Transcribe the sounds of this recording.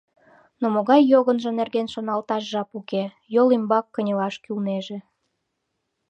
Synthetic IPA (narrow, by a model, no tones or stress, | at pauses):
nomoɣɑjːoɣənʒə̆nerɣenʃonɑlt̪ɑʃʒɑpuke | jolimbɑkːənʲə̆lɑʃkylneʒĕ